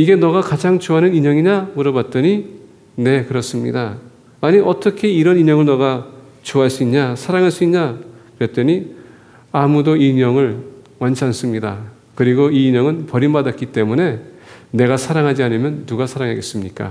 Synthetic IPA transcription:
iɡe̞nʌɡakad͡ʑaŋt͡ɕoɦanɯniɲʌŋiɲamuɾʌbat̚t͈ʌɲi | ne̞kɯɾʌs͈ɯmɲḭdaː | ɲiʔʌt͈ʌkʰe̞iɾʌniɲʌŋɯɭnʌɣa | t͡ɕoɦaɭs͈uiɲɲasʰaɾaŋɦaɭs͈uiɲɲakɯɾʌt͈eɲi | amudoiɲʌŋɯɭwant͡ɕʰians͈ɯmɲida | kɯɾiɡoiːɲʌŋɯnpʌɾimbadat̚k͈it͈e̞mune̞ne̞ɣasʰaɾaŋɦad͡ʑianɯmjʌnːuɡasʰaɾaŋɦaɡes͈ɯmɲik͈a̰

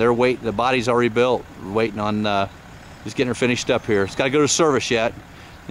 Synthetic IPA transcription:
ðə˞weɪʔðəbɑɾizl̩ˠɹɛɾibɪlˠt̚weɪɾɪ̃ŋə̃n | d͡ʒɨsɡ̥ɛɾɪ̃ŋə˞fɪ̃ñɨʃtʌphiɹɨtsɡ̥ɑɾɨɡoʊɾɨsɜ˞vɨsjɛt̚

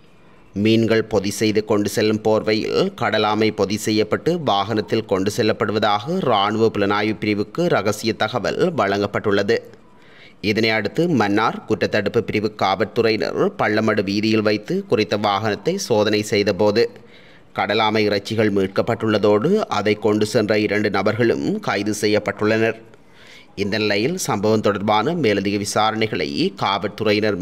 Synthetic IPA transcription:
miːnɡɐɭpɔðɪsɛjðɯkɔɳɖɯsɛlːɯmpoːɾʋɐjɪ̰lkɐɽɐlaːmɐɪpɔðɪsɛjːɐpːɐʈːɯʋaːɣɐnɐt̪ːɪlkɔɳɖɯsɛlːɐpːɐɽɯʋɐðaːɣɐɾaːɳɯʋɐpɪlɐnaːjɯpːɪɾɪʋɯkːɯɾɐɣɐsɪjɐt̪ːɐɣɐʋɐ̰lʋɐɻɐŋɡɐpːɐʈːɯɭːɐðɯ | ɪðɐnɐɪɐɽɯt̪ːɯmɐnːaːɾkʊʈːɐt̪ːɐɽɯpːɯpɪɾɪʋɯkːaːʋɐʈːɯrɐɪnɐ̰ɾpɐɭːɐmɐɽɯʋiːðɪjɪlʋɐɪt̪ːɯkʊrɪt̪ːɐʋaːɣɐnɐt̪ːɐɪsoːðɐnɐɪsɛjðɐpoːðɯ | kɐɽɐlaːmɐɪɪrɐt͡ʃːɪɣɐɭmiːʈ̚kɐpːɐʈːɯɭːɐðoːɽɯʔɐðɐɪkːɔɳɖɯsɛndrɐɪɾɐɳɖɯnɐbɐɾɣɐɭɯ̰mkaːjðɯsɛjːɐpːɐʈːɯɭːɐnɐɾ | ɪnd̪ɐnɪlɐjɪlsɐmbɐʋɐmt̪ɔɽɐɾbaːnɐmeːlɐðɪɣɐʋɪsaːɾɐɳɐɪɣɐɭɐ̰ɪkaːʋɐʈ̪ːɯrɐɪnɐɾ

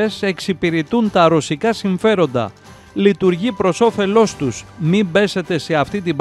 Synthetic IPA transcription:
ese̞ksipiɾit̪unt̪ɐɾo̞sikɐsiɱfe̞ɾo̞nd̪ɐ̰ | lit̪uɾʝipɾo̞so̞fe̞lo̞st̪usmibe̞se̞t̪e̞se̞ɐft̪it̪ib

